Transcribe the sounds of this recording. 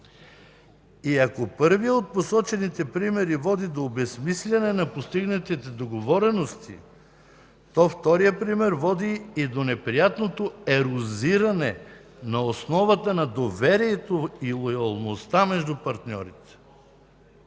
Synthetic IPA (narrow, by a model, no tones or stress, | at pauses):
iɐkopɤɾvijəot̪̚posɔt͡ʃɛnit̪ɛpɾimɛɾivɔd̪id̪oːbɛsmislʲɐnɛnɐpost̪iɡnɐt̪it̪ɛd̪oɡovɔɾɛnost̪ʰḭ | t̪ɔft̪ɔɾijəpɾimɛɾvɔd̪iːd̪onɛpɾijat̪not̪oɛɾoziɾɐnɛ | nɐosnɔvət̪ənɐd̪ovɛɾiɛt̪oilˠojɐlˠnost̪amɛʒd̪upɐɾt̪nʲɔ̰ɾit̪ɛ̥